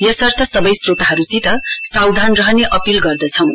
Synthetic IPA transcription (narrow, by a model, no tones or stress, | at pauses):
jʌsʌrt̪ʰʌsʌbʌjsrot̪aɦʌɾut͡sit̪ʌsawd̪ʱanrʌɦʌneʔʌpilɡʌrd̪ʌt͡sʰʌw̃